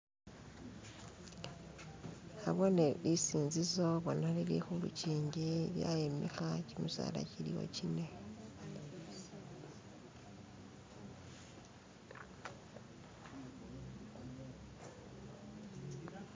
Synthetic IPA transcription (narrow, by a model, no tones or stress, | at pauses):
aβoneisiːnzizo̞βonalilḭxulṵciːɲɟiβja̰jemixacimuza̰ːla̰ciliwo̰cine